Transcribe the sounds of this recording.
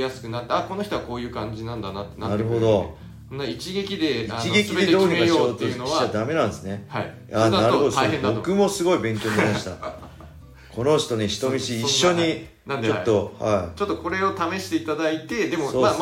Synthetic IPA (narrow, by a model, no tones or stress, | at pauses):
jasɨ̥kɯ̟nat̪ːeako̞no̞çi̥t̪oβako̞ːjɯ̟ːkãɲ̟d͡ʑinãnd̪anat̪ːenanaɾɯ̟ɦo̞d̪o̞ | nait͡ɕiɡe̞kʲid̪e̞iat͡ɕiɡe̞kʲied̪e̞d̪oːɾikaoot̪oɯaad̪ame̞nãnd̪esɨne̞ai | aaɾɯhɦod̪oso̞kɯ̟mo̞sɨɡo̞ibẽ̞ŋkʲo̞ːɲiimaɕi̥t̪a̰ | kʰo̞no̞ç̥t̪o̞neçi̥t̪o̞mʲiɕiːɕːoɲi | o̞t̪ːo̞ha̰it͡ɕot̪ːoko̞ɾe̞o̞t̪ame̞ɕi̥t̪e̞it̪ad̪ait̪e̞d̪e̞mosoːam